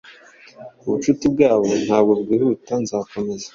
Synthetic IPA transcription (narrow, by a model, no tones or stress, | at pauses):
uβuʃutibɡaːβo̞n̥haːbɡobɡiːhutanzaːko̞me̞za